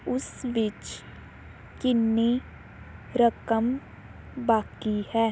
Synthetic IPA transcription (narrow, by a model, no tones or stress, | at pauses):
ʊsʋɪt͡ʃ | kɪnːe | ɾəkəm | baːkihɛː